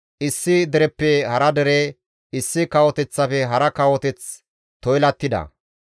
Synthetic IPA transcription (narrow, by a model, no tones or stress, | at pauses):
ʔɪsːɪd̪ɛɾɛpːɛhɐɾɐd̪ɛɾe | ɪsːɪkɐwɔt̪ɛt͡sːɐfɛɦɐɾɐkɐwɔt̪ɛt͡s | t̪ɔjlɐt̪ːɪd̪ɐ̰